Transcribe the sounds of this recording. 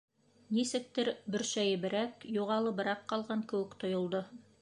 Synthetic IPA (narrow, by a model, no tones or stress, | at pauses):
nisɘ̆k̚t̪ɘɾbɵ̆ɾʃæjɘ̆bɘ̆ɾækjuʁɑlˠɤbɤ̆ɾɑqːɑlˠʁɑŋkɘ̆wɘkt̪ŏjŏlˠd̪o